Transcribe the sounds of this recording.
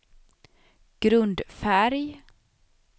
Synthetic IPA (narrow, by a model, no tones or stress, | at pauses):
ɡ̥ɾɵnd̪fæɾj